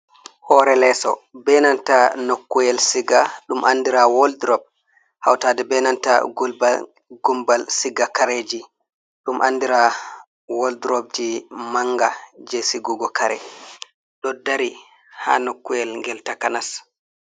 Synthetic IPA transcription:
hɔɾɛlɛsɔ̰bɛnantanokːujɛlsiɡaɗumʔandiɾawɔldɾɔb̚ | ha̰wtaːdɛbɛnanta̰ɡub | ɡumbalsiɡakaɾed͡ʒi | ɗumʔandiɾa | wɔldɾɔb̚d͡ʒimaŋɡad͡ʒesiɡuɡɔkaɾɛ̰ | ɗɔdaɾi | ha̰nokːujɛlŋɡɛltakanas

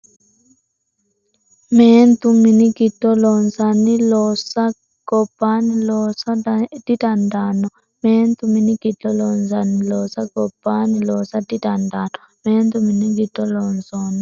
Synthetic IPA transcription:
mɛnt̪uminikitːɔlɔnzanilɔsa | ɡ̥ɔpanilɔsaditandanɔ | mɛnt̪uminikitɔlɔnzanilɔsaɡɔpanilɔsaditandanɔ | mɛnt̪uminiɡitɔlɔnzɔni

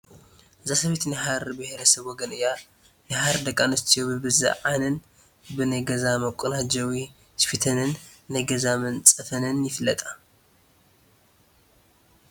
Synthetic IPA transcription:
ʔɨzasɐβet̪nɨɦaɾbɨheɾɐsɐβwɔɡɐnɨja | nɨhaɾd̪ɐkʼːanɨst̪ʰijobɨbɨzɨ̰ʕanɨn | bɨnɐjɡɐzamɐkʷʼːunad͡ʒɐwi | spʰit̪ʰɐnɨnːɐjɡɐzamɐnt͡sʼɐfɐnɨnjɪfɨlːɐt̪ʼa

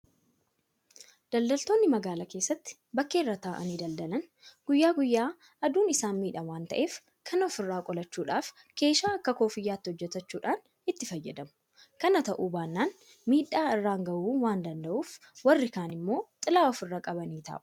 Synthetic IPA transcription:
d̪̥ɐld̪ɐlt̪o̞ːnːɪmɐɡaːlɐke̞ːsːɐt̪ːɪ̥ | bɐkːe̞ːrːaːt̪aːʔɐ̰niːd̪ɐld̪ɐlɐn | ɡ̥ʊjːaːɡʊjːaː | ɐd̪uːnɪsaːnmiːᶑɐwaːnt̪ɐ̰ʔe̞ːf | kʰɐnɔfɪrːaːkʼɔlɐt͡ʃːuːᶑaːf | ke̞ːʃaːɐkːɐko̞ːfɪjːaːt̪ːɪhɔd͡ʒːɛt̪ɐt͡ʃːuːᶑaːn | ɪt̪ːɪfɐjːɛ̰d̪ɐmʊ̥ | kɐnɐt̪ɐʔuːbaːnːaːn | miːᶑaːɪrːaːŋɡɐʔuːwaːnd̪ɐnd̪ɐʔuːf | wɐrːɪkaːnɪmːo̞ːt̪ʼɪlaːɔfɪrːaːkʼɐbɐniːt̪ʰa̰ːʔʊ̥

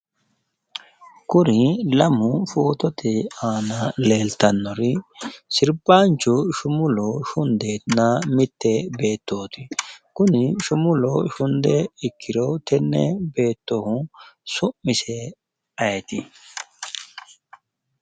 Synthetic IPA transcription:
kʊɾɪlɐmʊfoːt̪ɔt̪ɛaːnɐle̞ːlt̪ɐnːɔɾɪsɪɾbaːnt͡ʃːʊʃʊmʊlɔʃʊnd̪eːt̪namɪt̪ːɛbe̞ːt̪ːoːt̪ɪkʊnɪʃʊmʊlɔʃʊnd̪ɛɪkːɪɾɔt̪ɛnːɛ̰be̞ːt̪ːɔhʊsʊmːɪsɛ | ɐjɛt̪ɪ

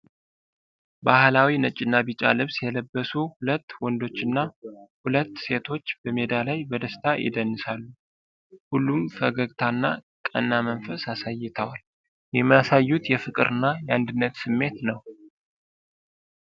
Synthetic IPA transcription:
bahlawinət͡ʃʼːɪnːabit͡ʃʼa̰lɨβsjɛləbːəsuhulət̪ːwɔnd̪o̞t͡ʃːɨnːahulət̪ːse̞t̪ʰo̞t͡ʃːb̥əme̞d̪alajbəd̪əst̪ʰajʔɪ̰d̪ənːɨsalːu | hulːumfəɡəɡt̪ʰanːa | kʼə̰nːamənfəsasajːɪt̪ʰəwal | jɛmːjasajːut̪jɛfɨkʼɨɾɨnːajɛand̪ɨnːət̪sɨmːe̞t̪nəw

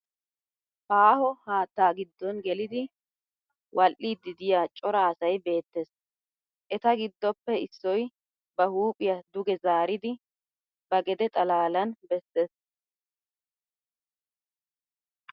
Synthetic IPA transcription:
paːhɔhaːt̪ːaːɡɪd̪ːɔnɡɛlɪd̪ɪ | wʔɐlʔiːd̪ːɪd̪ɪjaːt͡ʃʼɔɾɐːsɐjbe̞ːt̪ːes | ʔɛt̪ɐɡɪd̪ːɔpːɛɪsːɔj | bɐhuːpʼɪjɐd̪ʊɡɛzaːɾɪd̪ɪ | bɐɡɛd̪ɛt̪ʼɐlaːlɐnbɛsːes

